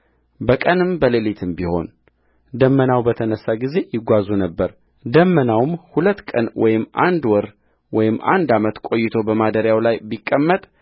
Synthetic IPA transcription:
bəkʼənɨmbəlelit̪ʰɨmbiho̞̰n | d̪əmːənawbət̪ʰənəsːaɡize̞jɪɡʷazunəbːəɾ | d̪əmːənawmhulət̪ːkʼə̰nwʔɔjɪmʔa̰nd̪wɔɾ | wɔjɪmːʔa̰nd̪amət̪kʷʼo̞jːɪt̪ʰo̞bəmad̪əɾjawlajbikʼːəmːət̪ʼ

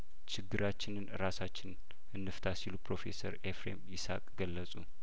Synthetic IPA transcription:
t͡ʃɪɡːɨɾat͡ʃːɪnɨnɾasat͡ʃːɪn | ɨnːɨft̪ʰasilupɾo̞fḛsəɾefɾḛmɪsa̰kʼɡəlːəsʼu

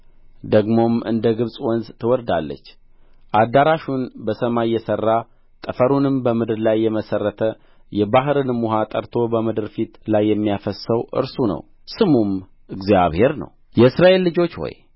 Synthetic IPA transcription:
d̪əɡmo̞mɨnd̪əɡɨβsʼwɔnzt̪ʰɨwɔɾd̪a̰lːə̰t͡ʃː | ʔad̪aɾaʃunbəsəmajːɛsərːa | t̪ʼəfəɾunɨmbəmɨd̪ɨɾlajːɛməsərːət̪ʰə | jɛbaɦɨɾɨnmːuɦat̪ʼəɾt̪ʰo̞bəmɨd̪ɨɾfit̪lajːɛmːijafəsəwʔɨ̰ɾsunə̰w | sɨmum | ɨɡzja̰βhe̞ɾnə̰w | jɛɨsɾaʔe̞lːɨd͡ʒo̞t͡ʃːho̰j

